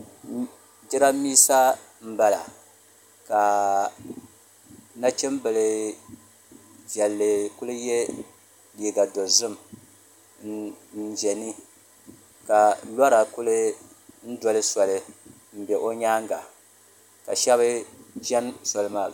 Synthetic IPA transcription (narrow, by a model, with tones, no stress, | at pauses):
d͡ʒɪ˦ɾa˦miː˦sa˦ | m̩˦ba˦la̰˨ | ka˨ | na˦t͡ʃɪ˦mbɨ˨lɨ˨ | vɛ˨lːɨ˨kʊ˦lɨ˦jɛ˦ | liː˨ɡa˨do˨zʊ˦m˨ | ʒɛ˨ni˦ | ka˨la˦ɾa˨kʊ˦lɨ˦ | n̩˦dɔ˦lɨ˦sɔ˨lɨ˦ | m̩˦bɛ˨ʔo˦ɲaː˦ŋɡa˨ | ka̰˨ʃɛ˦βɨ˦ʒɛ˦nsɔ˨lɨ˦maː˨